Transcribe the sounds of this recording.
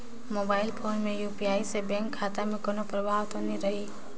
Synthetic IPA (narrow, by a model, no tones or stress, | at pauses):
moːbaːɪlpʰoːnmẽjuːpiaːisebɛ̃ŋkʰːaːt̪amẽkonopɾəbʱaːʋt̪ɦoːniɾɐɦiː